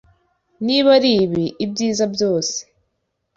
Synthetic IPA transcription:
niβaɾiːβiʔibɟiːzabjo̞ːse̥

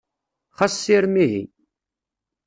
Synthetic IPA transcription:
χɑsːiɾmiɦḭ

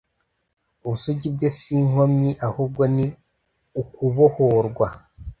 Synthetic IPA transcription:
uβusuɟib̚ɡesiːŋ̥omɲiʔahuːb̚ɡo̞ni | ukuβohoɾɡwa

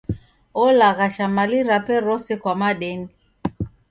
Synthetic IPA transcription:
ɔlaɣaʃamaliɾapɛɾɔsɛkwamaɗɛndi

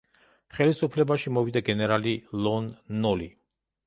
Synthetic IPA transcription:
χɛlisupʰlɛbaʃimɔvid̪aɡɛnɛɾalilˠɔnːɔli

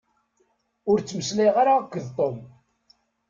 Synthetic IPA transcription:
ʊɾt͡sːməsliʁaɾakʷːəðt̪ˤom

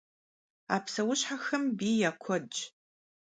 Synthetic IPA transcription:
a̰ːpʰsɐwʊɕħaxɐmbiːjaːkʷʰɔd͡ʒʼ

